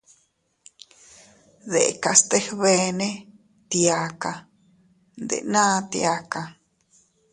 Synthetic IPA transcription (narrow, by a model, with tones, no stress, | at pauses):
ðḛ˨ka˧st̪e˦hβe˧nẽ˦ | t̪ja˧ka˧ | nd̪ḛ˨nãː˦t̪j̰a˧ka˧